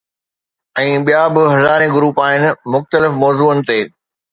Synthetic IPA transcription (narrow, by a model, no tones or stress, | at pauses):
ɛ̃ːɓijabɪɦɐzaːɾẽɡʊɾuːpaːɦɪnɪ̆mʊxt̪əlɪfmɔːzuːənɪ̆t̪eː